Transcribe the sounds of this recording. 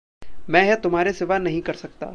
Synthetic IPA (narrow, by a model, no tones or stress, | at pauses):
mɛ̃ːɦɛt̪ʊmɦaːɾesɪʋanɐɦĩkɐɾsɐk̚t̪a̰ː